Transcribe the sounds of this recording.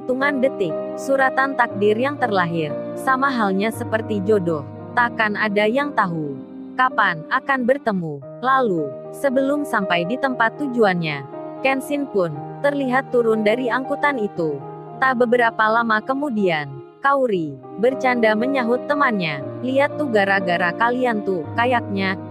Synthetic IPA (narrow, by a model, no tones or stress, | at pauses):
it̪uŋandət̪ɪk̚suɾat̪ant̪ak̚dɪrjaŋt̪ərlaɦɪrsamaɦalɲasəpərt̪id͡ʒodɔh | t̪akanadajaŋt̪aɦu | kapanakanbərt̪əmu | lalu | səbəlʊmsampajdit̪əmpat̪ːud͡ʒuanɲakɛnsɪnpʊnt̪ərliɦat̪ːuɾʊndaɾiaŋkut̪anit̪u | t̪ahbəbəɾapalamakəmudian | kauɾi | bərt͡ʃandaməɲaɦʊt̪ːəmanɲaliat̪ːuɡaɾaɡaɾakaliant̪ukajak̚ɲa